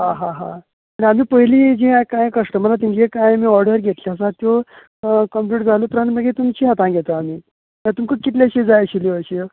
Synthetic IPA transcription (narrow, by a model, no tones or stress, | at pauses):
ɦãɦãɦã̰ | añiam̤iːpəɦiliːd͡ʑĩkãjkəsʈəməlat̪̬iɲd͡ʑekajamiːɔɾɖəɾɡʱet̪liəsat̪jo | kəmpluʈd͡zʱalot̪ɾənməɡet̪umt͡ɕiːɦat̪ãɡʱet̪əam̤iː | mət̪umkəkit̪̬laɕid͡zajəɕiliəɕijo